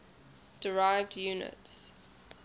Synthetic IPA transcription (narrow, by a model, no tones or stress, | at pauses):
d̥əɹaɪvdjuːnə̰ts